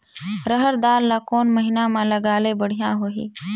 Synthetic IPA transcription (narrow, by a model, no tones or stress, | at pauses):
ɾəɦəɾd̪aːlːakoːnmɐɦinamãlɐɡaːlebɐɽ̤ijãɦoːɦḭː